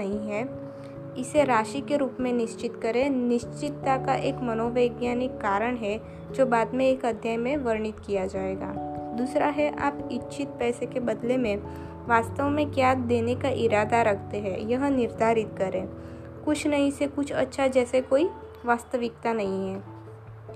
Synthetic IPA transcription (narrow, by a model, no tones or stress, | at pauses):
ɐɦĩɦɛː | ɪseɾaːʃikeɾuːpmẽnɪʃt͡ʃɪt̪kɐɾẽnɪʃt͡ʃɪt̪ːakaʔeːkmɐnoːʋeːɡjaːnɪkːaːɾəɽ̃ɦɛ | d͡ʒoːbaːd̪mẽeːkɐd̪ʱjaɦmẽʋɐɾɳɪt̪kijad͡ʒaːeːɡa̰ːd̪uːsɾaɦɛʔa̰ːpɪtːʃʰɪt̪̚pɛːsekebɐd̪lemẽ | ʋaːst̪əʋmẽkjaːd̪eːnekaʔɪɾaːd̪aɾɐkʰt̪eɦɛjɐɦnɪɾd̪ʱaːɾɪt̪kɐɾẽː | kʊt͡ʃʰnɐɦĩsekʊt͡ʃʰɐ̰tːʃʰad͡ʒɛːsekoːi | ʋaːst̪əʋɪkt̪anɐɦĩɦɛː